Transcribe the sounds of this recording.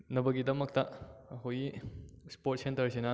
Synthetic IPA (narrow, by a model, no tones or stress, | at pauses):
nɐbɐɡidɐmɐk̚tɐhojispoɾt̚sentɐɾsinɐ